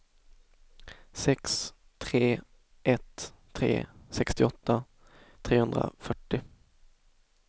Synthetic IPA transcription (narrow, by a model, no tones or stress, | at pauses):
sɛks | t̪ʰɾeː | ʔɛt̪ʰː | ɾḛːsɛkst̪ɪɔt̪ːa | t̪ʰɾeːhɵnd̪ɾa̰fœʈːɪ